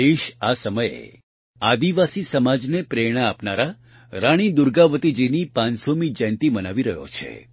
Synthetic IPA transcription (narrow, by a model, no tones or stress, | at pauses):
eʃasəməjḛ | ad̪iʋasisəmad͡ʒnepɾeɽ̃əapnaɾa | ɾaɽ̃id̪uɾɡaʋət̪id͡ʒinipãnsomid͡ʒɛ̃nt̪imənaʋiɾəɦjo̰t͡ʃʰḛ